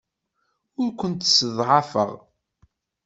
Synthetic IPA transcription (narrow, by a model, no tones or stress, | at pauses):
ʊɾkʷənt̪səðˤʕɑfə̰ʁ